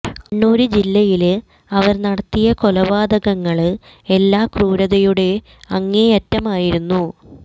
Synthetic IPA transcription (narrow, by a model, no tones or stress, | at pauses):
kɐɳːuːɾud͡ʑilːɐjil | ɐʋɐɾnɐɽɐt̪ːijɐko̞lɐbaːd̪ɐɣɐŋːɐɭ | elːaːkruːɾɐðɐjuɽe̞ | ɐŋːejɐtːɐmaːjiɾunːu